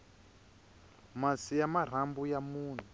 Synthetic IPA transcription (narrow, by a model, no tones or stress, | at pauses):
masijamar̤ambujamuːn̤u